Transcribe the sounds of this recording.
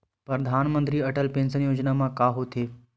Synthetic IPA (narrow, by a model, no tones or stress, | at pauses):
pɾəd̪ʱaːnmə̃nt̪ɾiːɐʈəlpẽːnsənjoːd͡ʑnamãkaːɦot̪ʰeː